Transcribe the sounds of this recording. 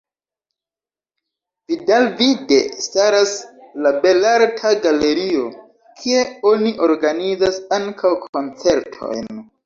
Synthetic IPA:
vidalvide̞̰staɾaslabe̞laɾtʰaɡale̞ɾio̞ | kʰie̞o̞niʔo̞ɾɡanizasaŋkʰawkʰo̞nt͡se̞ɾtʰo̞̰jn

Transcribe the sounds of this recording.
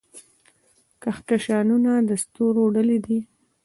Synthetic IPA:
kaxkaʃɑnunad̪əst̪oɾoɖəlid̪i

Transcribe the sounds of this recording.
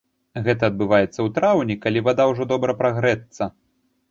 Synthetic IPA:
ɣɛt̪ɐːd̪̚bɨvajɛt̪sːɐwt̪ɾawnʲikalʲivad̪awʐɔd̪ɔbɾɐpɾaɣɾɛt̪sːɐ

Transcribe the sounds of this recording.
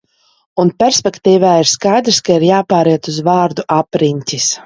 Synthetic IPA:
unpʲɛɾsʲpʲɛkt̪iːvaːiɾskajd̪ɾskaiɾjaːpaːɾiɛt̪uzvaːɾd̪uʔapɾiɲʲt̪ʲis

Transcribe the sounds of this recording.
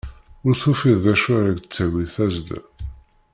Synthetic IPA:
ʊɾθufiððæʃaɾæɡt͡sːæwiθæzd̪

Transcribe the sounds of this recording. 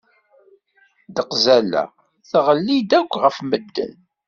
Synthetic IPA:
d̪əqzælæ̰ | θʁəlːid̪ækʷːʁəfməd̪ːə̰n

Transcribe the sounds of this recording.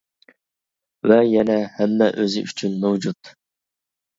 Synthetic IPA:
vɛjɛnɛhɛmːɛʔøzɪ̰ʔyt͡ʃʰynmɛwd͡ʒut̪

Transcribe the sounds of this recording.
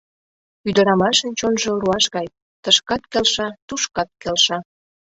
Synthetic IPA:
yd̪əɾɑmɑʃənt͡ɕonʒoluɑʃɣɑj | t̪əʃkɑt̪kelʃɑt̪uʃkɑt̪̚kelʃɑ

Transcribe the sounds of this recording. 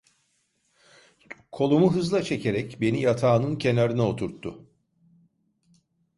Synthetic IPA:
kʰo̞lˠumuɦɯzlˠat͡ʃʰe̞cʰe̞ɾɛcbe̞nijat̪ʰaːnɯncʰe̞naɾɯnao̞t̪ʰuɾt̪ʰːʊ

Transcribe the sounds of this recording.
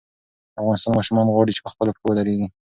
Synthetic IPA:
afɣɑnɪst̪ɑnmɑʃumɑnɣwɑɽit͡ʃe̥pəxpəloʈo̥kowəlaɾeɡi

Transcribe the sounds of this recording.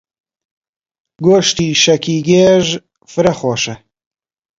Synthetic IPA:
ɡoʃt̪iːʃɐkʰiːɡeːʒ | fɨɾɐχoːʃɐ

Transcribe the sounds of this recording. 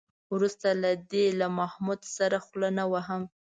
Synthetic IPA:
wɾust̪alad̪elamahmud̪saɾaxlənawaɦam

